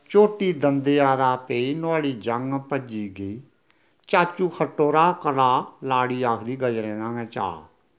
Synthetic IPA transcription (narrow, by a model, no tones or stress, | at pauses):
t͡ʃoːʈiːd̪ənd̪eːaːd̪aːpeːiːnʊaːɽiːd͡ʒəŋpəd͡ʒiːɡəiː | t͡ʃaːt͡ʃuːkʰəʈːoːɾaːkəlaːlaːɽiːaːkʰd̪iːɡəd͡ʒɾẽːnãːɡɛ̃ːt͡ʃa̰ː